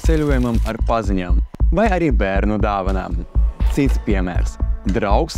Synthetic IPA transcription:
t̪sʲɛlʲuɔjumamaɾpazʲiɲʲamvajaɾʲiːbʲæɾnud̪aːvɐna̰ːmt̪sit̪spʲiɛmʲæ̰ɾsd̪ɾawks

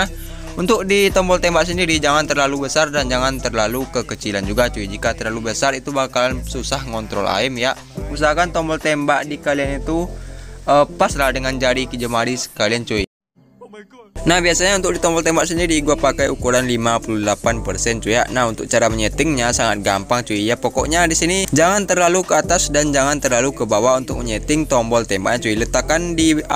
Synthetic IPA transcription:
ah | unt̪ʊk̚dit̪ɔmbɔlt̪ɛmbaʔsəndiɾid͡ʒaŋant̪ərlalubəsardand͡ʒaŋant̪ərlalukəkət͡ʃiland͡ʒuɡat͡ʃuid͡ʒikat̪ərlalubəsarit̪ubakalansusahŋɔnt̪ɾɔla̰imjaʔ | us̬aɦakant̪ɔmbɔlt̪ɛmbaʔdikalianit̪u | əpaslahdəŋand͡ʒaɾikəd͡ʒəmaɾisə̥kaliant͡ʃui | nahbiasaɲaunt̪ʊk̚dit̪ɔmbɔlt̪ɛmbaʔsəndaɾiːɡuapakajukuɾanlimapululapanpərsɛnt͡ʃujaʔnahunt̪ʊk̚t͡ʃaɾaməɲət̪ɪŋɲasaŋat̪̚ɡampaŋt͡ʃuijapɔkɔ̰ʔɲadisinid͡ʒaŋant̪ərlalukəat̪asdand͡ʒaŋant̪ərlalukəbawaunt̪ʊk̚məɲət̪ɪŋt̪ɔmbɔlt̪ɛmbaʔɲat͡ʃuilət̪akandi

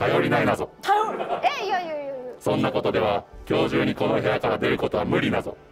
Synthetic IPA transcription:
kajo̞ɾʲinainazo̞ | sõ̞nːako̞t̪o̞d̪e̞βakʲo̞ːʑɨːɲ̟iko̞no̞ɦe̞jakaɾad̪e̞ɾɯ̟ko̞t̪o̞βamɯ̟ɾʲinazo̞̰

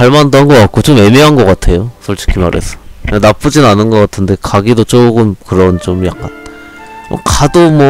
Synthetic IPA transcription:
aɭmandʌnɡʌkat̚k͈ot͡ɕome̞miɦanɡʌk͈atʰe̞josʰʌɭt͡ɕʰi̥kʰima̰ɾe̞̰sʰʌ̥anap͈ud͡ʑinanɯnɡʌk͈atʰɯnde̞kaɡidot͡ɕ͈oɡɯmkɯɾʌnt͡ɕomjak͈̚an̰ | kadomwʌ

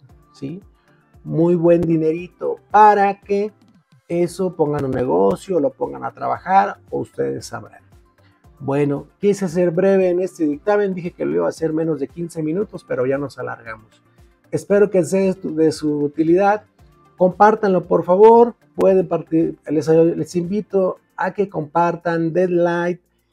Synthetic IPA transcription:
si | mujβwe̞nd̪ine̞ɾit̪o̞̰paɾake̞ | e̞so̞po̞ŋɡanunːe̞ɣo̞sjolo̞po̞ŋɡa̰na̰t̪ɾa̰βa̰xaɾo̰ṵst̪e̞̰ðḛsa̰βɾa̰n | bwe̞no̞kjises̬e̞ɾbɾe̞βe̞ːne̞st̪e̞ðik̚t̪ame̞nd̪ixe̞keloiβaːse̞ɾmẽ̞no̞zðe̞kinse̞mĩnut̪o̞spe̞ɾo̞ʝano̞sala̰ɾɣamos | espe̞ɾo̞kes̬eðesuːt̪iliðað | ko̞mpaɾt̪anlo̞poɾfaβo̞ɾ | pwe̞ðempaɾt̪iles̬lesimbit̪o̞ | ake̞ko̞mpaɾt̪and̪ed̪lajt̪

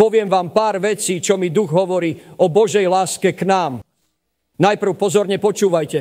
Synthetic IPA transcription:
pɔʋɪɛmʋaːmpaːɾʋɛt͡siːt͡ʃɔmid̪uɣɦɔʋɔɾiːɔbɔʒɛjlaːskɛknaːm | najpr̩ʊpɔzɔɾɲɛpɔt͡ʃuːʋajcɛ

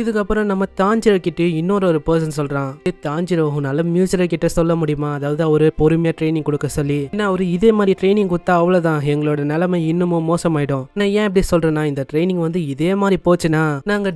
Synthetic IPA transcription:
ɪðɯkːɐpːɯɾɔ̃nɐmːɐt̪aːɲd͡ʒɪɾɐkɪʈːɯɪnːoːɾɐɔɾɯpɐːs̬ɐnsɔlɾãːt̪aːɲd͡ʒɪɾɐʋɐɦʊ̃nɐlːɐmjuːsɪɾɐkɪʈːɐsɔlːɐmʊɽɪjɯmaːɐðaːʋɐðɔɾɯpɔɾɯmɐjaʈɾeɪnɪ̃ŋɡkɔɽɯkːɐsɔlːinːaːɔɾɯɪðeːmaːd̪ɾiʈɾeɪnɪŋɡkʊɽt̪ːaːɐʋːɐɭoːt̪ãːɛŋɡɐɭoːɽɐnɛlɐmɐɪnːɯmõmoːsɐmaːjɪɽʊ̃nãːjẽːɪp̬ːɐɽisɔlrẽːnaːɪnd̪ɐʈɾeɪnɪ̃ŋɡʋɐnd̪ɯɪðeːmaːd̪ɾipoːt͡ʃːɯnaːnaːŋɡɐ

